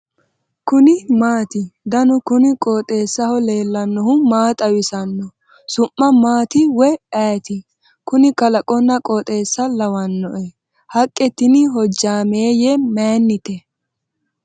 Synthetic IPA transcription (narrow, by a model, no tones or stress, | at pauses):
kʊnɪmaːt̪ɪd̪ɐnʊkʊnɪkʼoːt̪ʼe̞ːsːɐhɔle̞ːlːɐnːɔɦʊmaːt̪ʼɐwɪsɐnːɔ | sʊmːɐmaːt̪ɪwɛaːt̪ɪ | kʊnɪkɐlɐkʼɔnːɐkʼɔt̪ʼe̞ːsːɐlɐwɐnːɔʔɛ | hɐkʼːɛt̪ːɪnɪɦɔd͡ʒːaːmeːjɛmeːnːɪt̪ɛ